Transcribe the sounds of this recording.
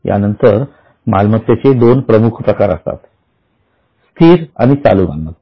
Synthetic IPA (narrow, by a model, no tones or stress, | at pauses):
ja̰nənt̪əɾ | malmət̪ːet͡sed̪onpɾəmukʰpɾəkaɾə̰st̪a̰t̪ | st̪ʰiːɾa̰ɽ̃it͡sa̰luːma̰nmət̪